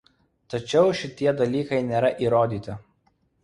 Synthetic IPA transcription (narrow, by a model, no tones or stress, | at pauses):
t̪ɐt͡ʃʲɛʊʃʲɪt̪ʲiɛd̪ɐlʲiːkɐɪnʲeːɾɐʔiːɾoːd̪ʲiːt̪ʲɪ